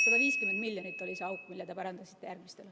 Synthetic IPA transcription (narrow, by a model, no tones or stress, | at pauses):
kob̥ɑviːskymend̪miljonit̪ːˑo̞lʲiseɑwkːˑmilːet̪epɑɾɑnd̪̥ɑsi̥t̪ːˑe̞jærɡ̥mist̪e̞l